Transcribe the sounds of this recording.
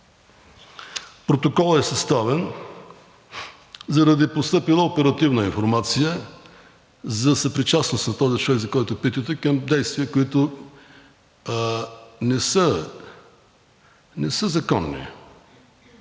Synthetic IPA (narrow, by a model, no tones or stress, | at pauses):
pɾot̪okɔlˠɛsɐst̪avɛn | zɐɾɐd̪ipost̪ɤpilˠəopɛɾɐt̪ivnəinfoɾmat̪sijə | zɐsɐpɾit͡ʃasnʊst̪nɐt̪ɔzit͡ʃovɛɡzɐkɔjt̪ʊpit̪ət̪ɛkɐmd̪ɛjst̪viəkoit̪ʊ | nɛsə | nɛsəzɐkɔnːḭ